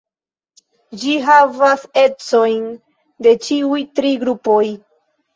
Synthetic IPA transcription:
d͡ʒiɦavase̞t͡so̞jn | de̞t͡ʃiujtɾiɡɾupo̞j

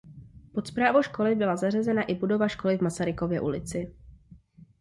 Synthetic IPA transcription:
pot̪spɾaːvowʃko̞lɪbɪlazar̝ɛzɛnaʔɪbudo̞vaʃko̞lɪvmasaɾɪko̞vjɛ̰ʔṵlɪt͡sɪ

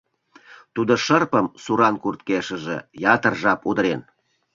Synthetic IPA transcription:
t̪ud̪oʃərpəmsuɾɑnkurt̪̚keʃəʒḛjɑt̪ərʒɑpud̪əɾen

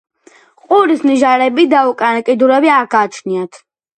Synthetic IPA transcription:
qʼuɾisniʒaɾɛbid̪aukʼanakʼid̪uɾɛbiaɾɡaːt͡ʃʰniat̪ʰ

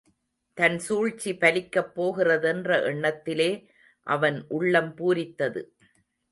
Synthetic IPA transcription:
t̪ɐnsuːɻt͡ʃːipɐlɪkːɐpːoːɣɪrɐðɛndrɐʔɛɳːɐt̪ːɪleː | ʔɐʋɐnʔʊɭːɐmpuːɾɪt̪ːɐðɯ̰

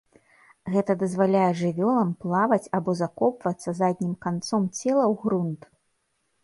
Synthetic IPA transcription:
ɣɛt̪ɐd̪ɐzvalʲajɛʐɨvʲɔlˠɐmplˠavɐt͡sʲabɔzakɔpvɐt̪sːɐzad̪̚ʲnʲimkant̪sɔmt͡sʲɛlˠɐwɣɾunt̪

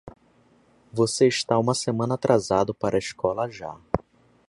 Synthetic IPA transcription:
voseiʃt̪aũmɐsemɐ̃nɐat̪ɾʔazad̪ʊpaɾʔɐiʃkɔlɐʒa̰

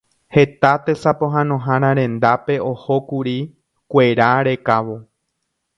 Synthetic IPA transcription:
he̞t̪at̪esapo̞ɦãnõ̞ɦãɾ̃ãɾ̃ẽ̞nd̪ape̞oho̞kuɾi | kʷe̞ɾaɾe̞kaʋo̞

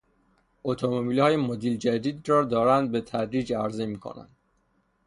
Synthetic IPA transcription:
ʔot̪ʰomobiːlhɒːjemod̪iːld͡ʒæd̪iːd̪rɒːd̪ɒːɾænd̪̚be̞t̪ʰæd̪ɾiːd͡ʒæɾzemiːkʰo̰næ̰nd̪̥

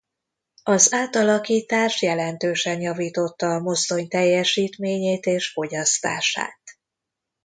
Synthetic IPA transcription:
ɒzaːt̪ɒlɒkiːt̪aːʃjɛlɛnt̪øːʃɛnjɒviːt̪o̞t̪ːɒːmo̞st̪o̞ɲt̪ɛjːɛʃiːt̪meːɲeːt̪eːʃfo̞ɟɒst̪a̰ːʃa̰ːt̪

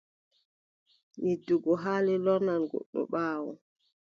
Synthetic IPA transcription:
niduɡɔɦaːlɛlɔnanɡɔ̰ɗːɔ̰ɓaːwɔ̰

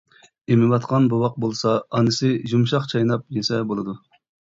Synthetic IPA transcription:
emɪwɑt̪qʰɑnbuwɑq̚bolˠsɑːnɨsɨʒumʃɑqt͡ʃʰɑjnɑp̚jesɛbolˠɨd̪u

